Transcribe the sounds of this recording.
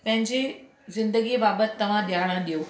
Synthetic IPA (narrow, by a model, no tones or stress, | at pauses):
pɐ̃ɦɪ̃ɲd͡ʑi | zɪ̃nd̪əɡibaːbət̪ːɐʋ̤ãɗ̪jaʋɽ̃ə̃ɗijo